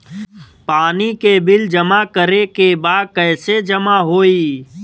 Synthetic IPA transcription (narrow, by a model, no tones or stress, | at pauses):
paːnikebɪld͡ʒəmakəɾekebaːd̪̚kɛːsed͡ʒəmaɦoːiː